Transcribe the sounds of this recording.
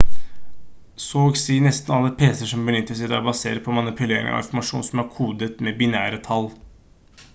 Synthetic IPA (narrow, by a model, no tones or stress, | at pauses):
soːɡsiːnɛst̪nɑləpʰeːsəʂɔmbənʏt̪ːəsɛd̪ɛɔbɑsḛːɾəpʰɔmɑnɪpʰʉleːɾɪ̰ŋɔ̰ʋɪ̰nfɔɾmɑʂṵːnsɔmæɾkʰuːd̪ət̪mɛbɪnæːɾət̪ʰɑl